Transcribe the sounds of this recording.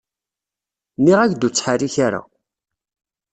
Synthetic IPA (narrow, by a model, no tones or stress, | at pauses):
niʁækd̪ut͡sːħariçaɾa̰